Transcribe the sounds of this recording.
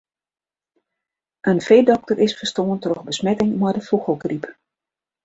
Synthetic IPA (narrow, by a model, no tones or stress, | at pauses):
ʔənfeːdɔk̚tərʔɪsfərstoːəntrɔxbəsmɛtɪŋmɔjdəfuxəlˠkrip